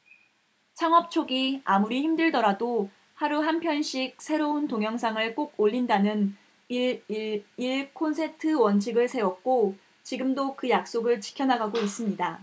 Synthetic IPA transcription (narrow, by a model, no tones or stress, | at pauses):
t͡ɕʰaŋʌp̚t͡ɕʰoɡiamuɾiçimdɯɭdʌɾado | haɾuɦanpʰjʌnɕ͈ʰik̚s͈ʰe̞ɾountoŋjʌŋsʰaŋɯɭk͈oɡ̚oʎːindanɯn | iɭkʰonsʰe̞tʰɯwʌnt͡ɕʰiɡɯɭsʰe̞wʌk̚k͈o | t͡ɕiɡɯmdokɯjak̚s͈oɡɯɭt͡ɕi̥kʰjʌnaɡaɡois͈ɯmɲida